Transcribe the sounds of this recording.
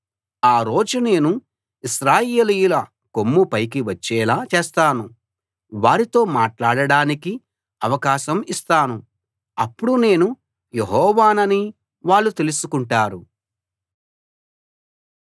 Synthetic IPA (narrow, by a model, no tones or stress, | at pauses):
aːɾo̞ːd͡ʒune̞ːnu | iʃɾaːjeːlijulɐ | komːupɐjk̬iʋɐt͡ʃːɛːlaːt͡ʃeːst̪aːnu | ʋaːɾit̪o̞ːmaːʈlaːɽɐɽaːniki | ɐʋɐkaːʃɐmist̪aːnu | ɐpːuɽune̞ːnu | jeɦɔːʋaːnɐni | ʋaːɭːut̪e̞lusukuɳʈaːɾu